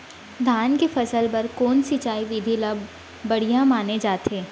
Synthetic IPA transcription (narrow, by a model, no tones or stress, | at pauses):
d̪ʱaːnkefɐsəlpɐɾkoːnsit͡ʃaːiʋɪd̪ʱiləbː | ɐɽ̤ijãmaːned͡ʒaːt̪eː